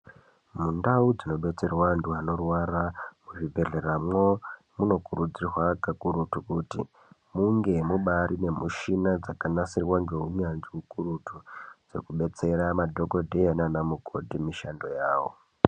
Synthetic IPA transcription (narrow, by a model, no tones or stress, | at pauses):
mundaud͡zino̞ɓe̞t͡se̞rwanduɦano̞rwaramuʐibʱe̞ɮe̞ramwo̞ | muno̞kuɾud͡zirwakakuɾutukutḭ | muŋɡe̞muɓaɾine̞muʃinad͡zakanasirwand͡ʒeɦuɲanʐiukuɾutʰud͡zḛkuɓe̞t͡se̞ɾamadʱo̞ko̞dʱejananamuɡʱo̞dʱimiʃando̞jaːwo̰